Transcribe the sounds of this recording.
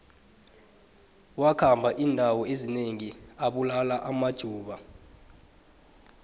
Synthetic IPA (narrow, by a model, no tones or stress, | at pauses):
wakʰambʱaʔiːndʱawɔezineŋiaɓulalaʔamad̥ʒ̥ʱuːɓa